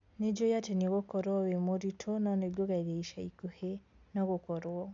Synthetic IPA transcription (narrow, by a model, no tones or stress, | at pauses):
ned͡ʒojateneɣokɔɾwɔwemoɾitʰonɔneɡoɣaiðeiʃaikohe | nɔɣokɔɾɔ